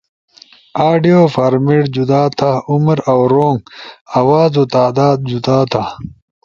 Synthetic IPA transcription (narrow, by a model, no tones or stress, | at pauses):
aːɖijoːfaːɾmeʈd͡ʑud̪aːt̪ʰauməɾawɾoːŋɡawaːzoːt̪aːd̪aːd̪̚d͡ʑud̪aːt̪ʰa